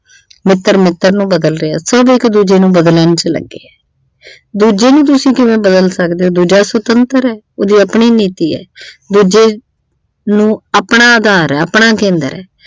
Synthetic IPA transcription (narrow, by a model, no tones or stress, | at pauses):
mɪt̪ːəɾmɪt̪ːəɾnũːbəd̪əlɾeaːsəbɪkd̪uːd͡ʒeːnũːbəd̪lənt͡ʃlə̰ɡːḛːɛː | d̪uːd͡ʒeːnũːt̪̬ʊsĩːkɪʋẽːbəd̪əlsəkd̪eːoːd̪uːd͡ʒaːsət̪ənt̪əɾɛː | oːd̪iːəpɳiːniːt̪iːɛ̰ːd̪uːd͡ʒeː | nũːəpɳaːəd̪ʱaːɾɛːəpɳaːkẽːnd̪ə̰ɾɛ̰ː